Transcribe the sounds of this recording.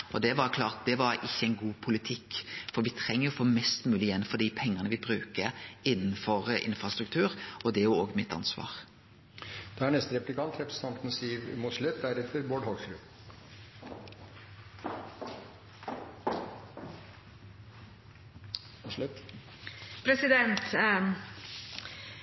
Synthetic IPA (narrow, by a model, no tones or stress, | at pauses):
ʔɔd̪ɛʋɑɾkʰlɑːʁt̪̚d̪ɛʋɑɾɪçːəɛɪnɡuːpʰʊlɪt̪ʰɪkːfɔɾʋɪt̪ʰɾɛŋːəɾɔfoːmɛst̪mʉːlɪjɛnːfɔɖ̪iːpʰɛŋːɑnəʋɪbɾʉːkəɾɪnːn̩fɔɾʔɪ̰nfɾɑst̪ɾʉkt̪ʰʉːɾʔɔd̪ɛæjʊoːɡmɪt̪ːɑ̰nsʋɑ̰ːʁ | d̪̥ɛæɳɛst̪əɾɛplɪkʰɑnt̪ɾɛpɾəsə̥t̪ɑnt̪n̩siːʋmʊt̪ʂlʉt̪̚d̪æɾɛt̪əɾboːɖhɔɡsɾʉː | lʉt̪ | pʰɾɛsɪd̪ɛnt̪